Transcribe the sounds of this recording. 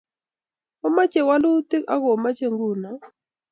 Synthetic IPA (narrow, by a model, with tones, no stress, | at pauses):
o˦ma˦t͡ʃe˨wa˦lʊ˦t̪e˦ka̰˦ɣɔ˨ma˦t͡ʃe˦˨ŋɡu˦˨na˨